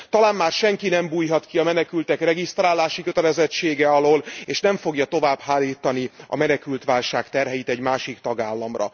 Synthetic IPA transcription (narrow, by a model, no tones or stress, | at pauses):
t̪ɒlaːnmaːrʃɛŋkinɛmbuːjɦɒt̪kiɒmɛnɛkylt̪ɛkrɛɡist̪raːlːaːʃikø̞t̪ɛlɛzɛt͡ʃːeːɡɛɒloːleːʃnɛɱfo̞ɡjɒt̪o̞vaːbhaːlːiːt̪ːɒniɒ̰mɛnɛkylt̪ʋaːlʃaːkt̪ɛrɦɛjit̪ɛɟmaːʃikt̪ɒɡaːlːɒmrɒ̰